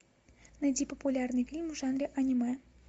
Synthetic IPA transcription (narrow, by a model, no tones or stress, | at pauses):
nɐdʲipəpulʲarnɨjfʲilʲmuʐanɾʲɪʔɐnʲimɛ